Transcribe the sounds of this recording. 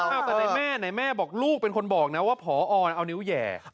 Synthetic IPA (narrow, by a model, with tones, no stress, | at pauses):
ʔaː˧˩wt̪ɛ˨na˧mɛː˥˩na˧jmɛː˥˩bɔː˨˩k̚luː˥˩k̚pe˧nkʰo˧nbɔː˨˩k̚na˦˥waː˥˩pʰɔː˩˦ʔɔː˧nʔa˧wniː˦˥wjɛ̰ː˨˩